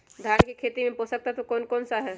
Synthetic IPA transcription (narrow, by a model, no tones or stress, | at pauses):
d̪ʱjaːnkikʰeːt̪imẽpoːsək̚t̪aɦɛt̪okɔːnkɔːnsaɦɛː